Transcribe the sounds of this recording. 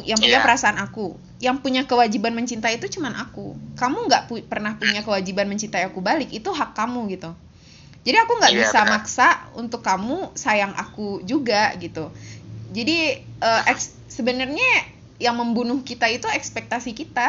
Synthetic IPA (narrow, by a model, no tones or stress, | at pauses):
jaŋpuɲapəɾasaːnaku | jaŋpuɲakəwad͡ʒibanməɲt͡ʃint̪aiːt̪ut͡ʃumanʔa̰kukamuŋɡaʔpupərnahpuɲakəwad͡ʒibanməɲt͡ʃint̪ajakubalɪkit̪uɦakːamuɡit̪u | d͡ʒadiakuŋɡaʔbisamaksaṵnt̪ʊkːamusajaŋʔa̰kud͡ʒuɡaɡit̪ud͡ʒadiəʔɛks | səbənərɲa | jaŋməmbunʊhkit̪ait̪uɛkspɛk̚t̪asikit̪a